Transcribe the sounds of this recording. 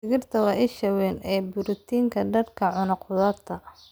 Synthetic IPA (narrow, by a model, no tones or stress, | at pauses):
fɪɣɪrt̪ʰɐwɑʔɪʃɐwɛːnɛːbʊɾʊt̪ʰiːŋkʰɐɖɐrkʰɐʕʊnɐqʊðɐːt̪ʰːɐ